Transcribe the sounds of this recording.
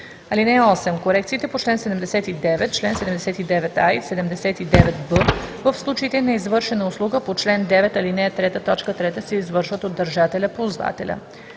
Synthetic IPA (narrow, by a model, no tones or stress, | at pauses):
ɐlinɛɔsɛmkoɾɛk̚t̪siːt̪ɛpot͡ʃlɛnsɛd̪ɛmd̪ɛsɛt̪id̪ɛvɛt̪̚t͡ʃlɛnsɛd̪ɛmd̪ɛsɛt̪id̪ɛvɛt̪ajsɛd̪ɛmd̪ɛsɛt̪id̪ɛvɛt̪bɤvəfslˠut͡ʃeit̪ɛnɐizvɤɾʃɛnəʊslˠuɡəpot͡ʃlɛnd̪ɛvɛt̪ɐlinɛt̪ɾɛt̪ət̪ɔt͡ʃkət̪ɾɛt̪əsɛizvɤɾʃvət̪od̪ːəɾʒat̪ɛlʲəpozva̰t̪ɛ̰lʲə̰